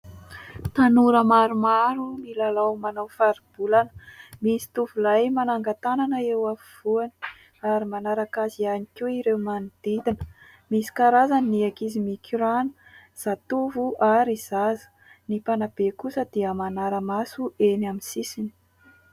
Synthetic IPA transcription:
t̪anuɾəmaɾumaɾumilalawmanawfaɾib̥ulanə̥misi̥t̪uvulajmanaŋɡat̪ananəewavuv̥uani̥ | aɾimanaɾakazianikʲiiɾewmanid̪̥id̪inə̥ | misi̥kaɾazaniniakizimikʰiɾanə̥z̥at̪uvuʔaɾiz̥azə̥ | nipanab̥ekusəd̪̥iəmanaɾəmasuenaminsisini̥

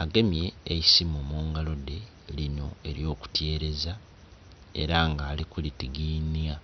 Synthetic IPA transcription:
aɡe̞mje̞ːisimumuːŋɡalo̞de̞ | lino̞̰e̞ɾjo̞ːku̥tje̞ːɾe̞za | e̞̰ɾaŋɡaːlikulitiɡiːnia

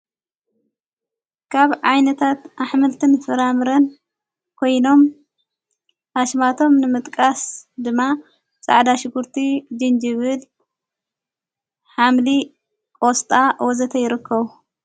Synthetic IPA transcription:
kʰaβʕajnɐt̪ʰat̪ʔaħmɨlt̪ʰɨnfɨɾamɨɾɐn | kʰo̞jno̞m | aʃmat̪ʰo̞mnɨmɨt̪ʼkʼasd̪ɨmːa | t͡sʼa̰ʕd̪aʃɪɡuɾt̪ʰid͡ʒɨnd͡ʒɨβɨl | ħamli | kʼost̪ʼawɔzɐt̪ʰɐjɪɾɨkʰːɐβu

